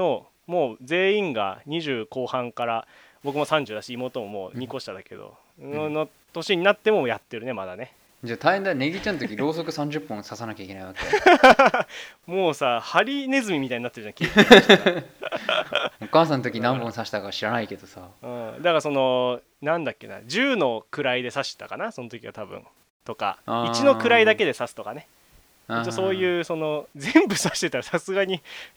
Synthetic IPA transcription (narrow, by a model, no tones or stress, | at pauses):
no | mo̞ːd͡ze̞ːĩŋɡa̰ɲ̟iʑɨːko̞ːhãŋkaɾa | bo̞k̬ɯmo̞sãɲ̟d͡ʑɨːd̪aɕiːmoːt̪omo̞mo̞̰ːɲ̟iko̞ɕi̥t̪ad̪ake̞̰d̪o̰ | no | t̪o̞ɕiɲ̟inat̪ːe̞mo̞jat̪ːe̞ɾɯ̟ne̞mad̪ane | d͡ʑat̪aihẽnane̞ɡʲit͡ɕanot̪okʲiɾo̞ːso̞kɯ̟sãɲ̟d͡ʑɨpːõsasanakʲaikeaiβake | mo̞ːsahaɾʲine̞zɨmʲimʲit̪aiɲinat̪ːeɾɯ̟d͡ʑãŋkʲi | okaːsãnot̪o̞kʲinãmbõɰ̃saɕi̥t̪akaɕiɾanaike̞d̪osaɯ̃ːd̪akaso̞no̞ | nãnd̪akʲːe̞na̰d͡ʑɨːno̞kɯ̟ɾaid̪e̞saɕi̥t̪akanaso̞not̪o̞kʲiβa̰t̪abɯ̟̰̃ɴ | t̪o̞ka̰it͡ɕino̞kɯ̟ɾaid̪ake̞d̪e̞sasɨ̥t̪o̞kane̞ | it͡ɕoso̞ːjɯ̟ːso̞no̞zẽ̞mbɯ̟saɕi̥t̪e̞t̪aɾasasɨɡaɲ̟i